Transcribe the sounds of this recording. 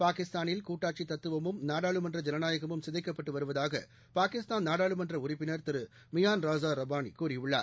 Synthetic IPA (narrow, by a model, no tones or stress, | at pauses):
paːkɪst̪aːnɪlkuːʈːaːʈt͡ʃit̪ːɐt̪ːɯʋɐmɯmnaːɽaːɭɯmɐndrɐd͡ʒɛnɐnaːjɐɣɐmɯmsɪðɐɪkːɐpːɐʈːɯʋɐɾɯʋɐðaːɣɐ̰ | paːkɪst̪aːnnaːɽaːɭɯmɐndrɐʊɾɪpːɪnɐɾt̪ɪɾɯ | mɪjaːnɾaːzaːɾɐbaːnikuːrɪjɯɭːa̰ː